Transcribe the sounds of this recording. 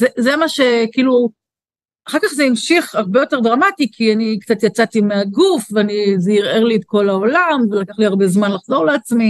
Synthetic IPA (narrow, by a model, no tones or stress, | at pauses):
zezemaʃe̞kiːlu | aχakaχzeimʃiχaʁbe̞jo̞te̞ʁdʁamatikʰianikt͡sat̪jat͡sat̪imeaɡufveanizeiʁeʁlietko̞laolamvelakaχliaʁbe̞zmanlaχz̥o̞ʁleat͡smi